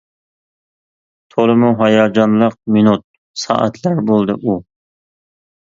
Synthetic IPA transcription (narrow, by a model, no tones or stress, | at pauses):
t̪ʰolˠɨmʊɦɑjɑːd͡ʒɑnlˠəq̚mɪnut̪̚ | sɑ̰ːʔæ̰t̪ʰlaɾbolˠd̪ɪʔu